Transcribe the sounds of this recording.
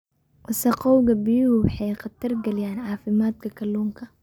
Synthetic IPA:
ʔɐsɐqɔwɣɐbɪjʊhʊwɑħɑjqɑt̪ʰɐrɡɐlɪjaːnɑːfɪmaːd̪̚kʰɐkʰɐlːuːŋkʰɐ

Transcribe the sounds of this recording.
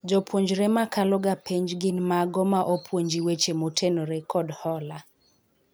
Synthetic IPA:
d͡ʒɔpwoɲd͡ʒɾemakalɔɡapɛɲd͡ʒɡɪnmaɡɔmaʔopʰwoɲd͡ʒiwet͡ʃemotʰenoɾekʰɔdhɔla

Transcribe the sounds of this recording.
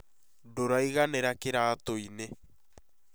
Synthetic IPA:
doɾaiɣaneɾakeɾaːtoine

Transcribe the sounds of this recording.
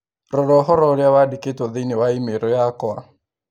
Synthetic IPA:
ɾɔɾɔɦɔɾɔɾeawadeketɔðenewaimeɾɔjakɔa

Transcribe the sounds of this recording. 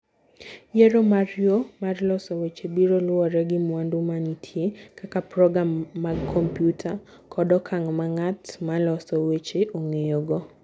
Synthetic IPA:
jɛɾomarjomarlɔsɔwet͡ʃebiɾolʊɔɾɛɡɪmwandumanitʰjekakapɾɔɡamːaɡkʰɔmpjutʰa | kʰɔdɔkʰaŋmaŋatmalɔsɔwet͡ʃeʔoŋejoɡɔ

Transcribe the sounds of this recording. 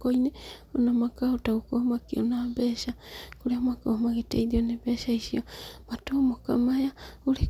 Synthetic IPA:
koineonamakaotaɣokohmakionabɛʃakoɾeamakohmaɣetḛiðionebɛʃaisiomatomokamajaoɾe

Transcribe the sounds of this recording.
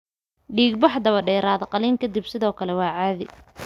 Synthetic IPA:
ɖiːɡbɑħd̪ɐβɐɖɛjɾaːðɐqɑliːŋkʰɐd̪ɪbsɪðɔːkʰɐlɛwɑːʕaːðɪ

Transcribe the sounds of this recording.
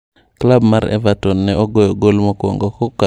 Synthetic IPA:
klabmaɾɛ̰vatɔnːɛʔɔɡojɔɡolmɔkwɔ̰ŋɡɔkɔka

